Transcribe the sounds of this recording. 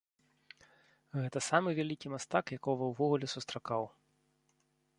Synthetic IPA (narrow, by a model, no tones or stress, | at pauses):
ɣɛt̪ɐsamɨvʲalʲikʲimast̪akjakɔvɐwvɔɣulʲɛsust̪ɾakaw